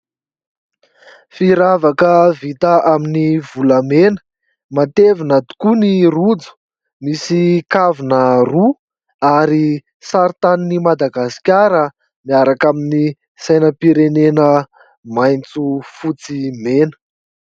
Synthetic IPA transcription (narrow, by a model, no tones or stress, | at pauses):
fiɾavakəvit̪əʔaminivulamenə̥ | mat̪evinad̪u̥kunirud͡zu̥ | misikavinəru | aɾi | saɾt̪aninimad̪aɡasi̥kʲaɾə | miaɾakamini | sajnəpiɾenenə | majnt͡sufut͡simenə̥